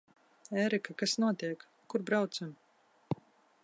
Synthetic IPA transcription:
ɛːɾikakasnuɔt̪iɛkːuɾbɾawt̪sam

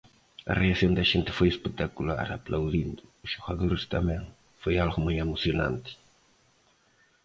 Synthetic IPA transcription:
ɐ̰reasjõnd̪ɐʒent̪ɪ̥fojespet̪akula̰ɾaplawðind̪ʊuz̥ʃoɣaðoɾɪst̪amɛ̃ŋ | fojalɣʊmujamusjonã̰nt̪ɪ̥

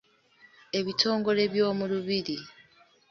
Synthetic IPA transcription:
e̞βitʰo̞ːŋɡo̞le̞βjo̞ːmuluβiɾi

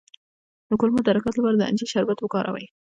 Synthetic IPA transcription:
d̪̥əkʊlmʊd̪aɾakɑt̪lapɑɾad̪əa̰nd͡ʒiʃaɾbat̪wəkɑɾʔa̰wa̰j

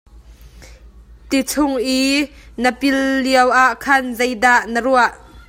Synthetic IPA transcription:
t̪it͡sʰʊŋʔinəpɪlːiəwʔaʔkʰɐnzejdaʔnəruaʔ

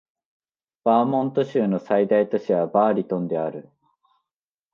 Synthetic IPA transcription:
b̥aːmõ̞nt̪o̞ɕɨːno̞said̪ait̪o̞ɕiβabaːɾʲit̪õ̞nd̪e̞aɾɯ̟

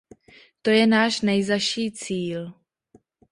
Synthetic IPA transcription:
t̪o̞jɛnaːʃnɛjzaʃiːt͡siːl

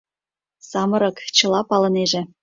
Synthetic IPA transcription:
sɑmɤ̆ɾɤ̆kt͡ɕɤ̆lˠɑpɑlɤ̆neʒĕ

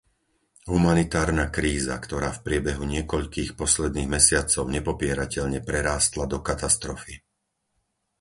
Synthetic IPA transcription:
ɦumanit̪aːɾnaːkɾiːza̰kt̪ɔɾaːfpɾɪɛbɛɦuɲɪɛkɔʎkiːxpɔslɛd̪niːɣmɛsɪat͡sɔʊɲɛpɔpɪɛɾacɛʎɲɛpɾɛɾaːst̪lad̪ɔkat̪ast̪ɾɔfi

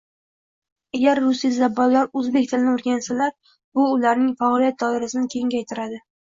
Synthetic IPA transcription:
aɡʲaɾːʊsizabːɒllːaɾɵzbe̞k̚ʲt̪ʰɪlɪnɪoɾɡʲansalaɾ | bʊːlaɾnɪŋfaːlijat̪̚d̪ɒɪɾasɪnɪkʲʰe̞ŋɡʲajt̪ʰɪɾad̪ɪ

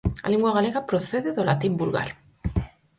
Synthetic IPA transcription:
a̰liŋɡwaɣaleɣapɾoθeðeðolat̪imbulɣa̰ɾ

